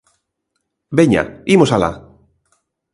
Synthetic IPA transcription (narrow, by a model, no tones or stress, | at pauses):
beɲa̰imosala̰